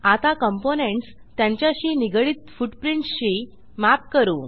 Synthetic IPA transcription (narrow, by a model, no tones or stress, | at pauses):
at̪akəmponeɳʈs | t̪jãɲt͡ɕjaɕiːniɡəɭiːt̪fuʈpɾiɳʈsɕi | map̚kəɾṵː